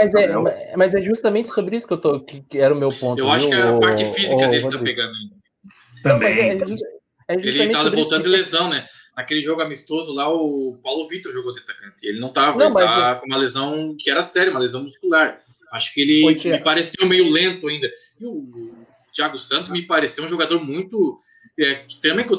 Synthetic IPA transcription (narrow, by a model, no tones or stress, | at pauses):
mɐzɛmɐzɛʒust̪ɐmẽnt͡ʃɪsobɾɪisʊ̥kewt̪okɪkɪɛɾɐʊmewp̪õnt̪eʊwaʃʊkɪaːpaɾt͡ʃɪfizikkɐd̪elɪt̪apeɡɐ̃nd̪ʊɐĩnd̪ɐ | nɐ̃w̃mɐzɛɛʒus | ɛʒuelɐm̃avɐɾvowt̪ɐ̃d̪ɪlezɐ̃w̃nɛnɐkelɪʒoɡʊamist̪ozʊlaʊpawlʊvit̪oɾʒoɡowd̪at̪akɐ̃nt̪ɪḛlɪnɐ̃w̃t̪avɐõakõũmɐlezɐ̃w̃kɪɛɾɐsɛɾjɐũmɐlezɐ̃w̃muskulaɾ | aʃʊ̥kɪelɪmɪpaɾesewmejʊlẽnt̪ʊaĩnd̪ɐ | ɪʊ | t͡ʃiaɡʊsɐ̃t̪ʊzmɪpaɾesewũʒoɡad̪oɾmũj̃t̪ʊ | ɛ̥t̪ɐ̃mbẽj̃ke